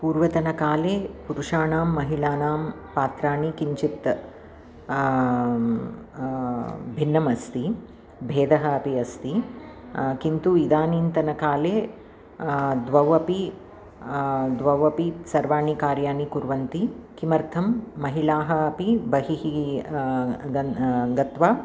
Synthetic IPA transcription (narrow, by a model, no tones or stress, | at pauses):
puːɾʋɐt̪ɐnɐkaːleːpuɾuʂaːnaːmːɐɦiɭaːnaːm | paːt̪ɾaːɳikiɲt͡ʃit̪ | bʱinːɐmɐst̪i | bʱeːd̪ɐɦɐɐpiɐst̪i | kint̪uid̪aːniːnt̪ɐnɐkaːleː | d̪ʋɐʋɐpi | d̪ʋɐʋɐpisɐɾʋaːɳikaːɾjaːnikuɾʋɐnt̪ikimɐɾt̪ʰɐmːɐɦiɭaːɦɐɐpibɐɦiɦi | ɐɡɐt̪ʋaː